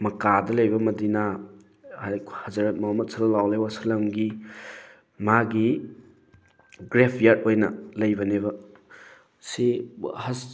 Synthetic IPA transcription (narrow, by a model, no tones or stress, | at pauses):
mɐkadɐlɐjbɐmɐdina | ahɐzɐɾɐt̚mɐmɐt̚sʰɐlɐlawlewasɐlɐmɡi | maɡi | ɡɾepʰjaɾtojnɐ̰lɐjbɐneβɐ | sihɐs